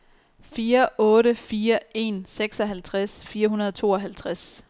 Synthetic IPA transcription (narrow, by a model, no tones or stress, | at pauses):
fiːɐʔɔ̽ːɾəfiːɐe̝̰nseɡ̥sɒɦælt͡sʰʁasfiːɐɦunɐð̞ˠt͡sʰo̝̰ːɒ̽ɦælt͡sʰʁas